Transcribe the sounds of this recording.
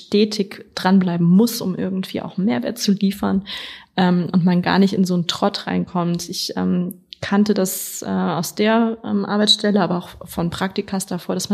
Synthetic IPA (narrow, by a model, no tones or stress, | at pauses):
tɛːtʰɪkd̥ʁanblaɪbm̩mʊsʔʊmʔɪɐɡŋ̩tv̥ḭːʔa̰ʊxmeːɐvɛːɐt̚t͡suliːfɐnʔɛːmʔʊntmanɡa̰ːɐnɪçtɪnzoːntʁ̥ɔtʁ̥a̰ɪnkʰɔmtɪçʔɛ̰ːmkʰantədasʔɛːaʊsd̥eːɐʔɛ̰mʔa̰ɐbaɪsʃtɛləʔaːbɐaʊxfɔnpʁ̥ak̚tɪkʰɐsd̥afoːɐɾasma